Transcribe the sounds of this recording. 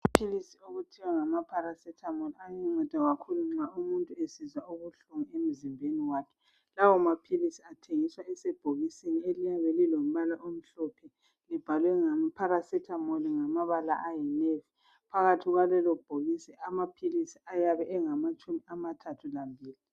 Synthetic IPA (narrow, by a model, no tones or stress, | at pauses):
apʰilisioɣutʰiwaŋamapʰaɾasɛtʰamɔliaɲɛŋ͡ǀɔd̥ʱaɣakʰuluŋ͡ǀaumuntʼuesizwauɣuɬuŋuem̩zimbʱeniwaːkʰɛ̥ | lawɔmapʰilisiatʰeŋiswaɛsɛb̥ʱoɣisenielijaβɛlilom̩βalaʔom̩ɬɔpʰɛ | lib̥ʱalwɛŋampʰaɾasɛtʰamɔliŋamaβala̰ʔajɛnɛfi | pʰaɣatʰiɣwalɛlɔb̥ʱoɣisɛamapʰilisiajaβɛʔɛŋamat͡ʃʼumiamatʰatʰulambʱiːli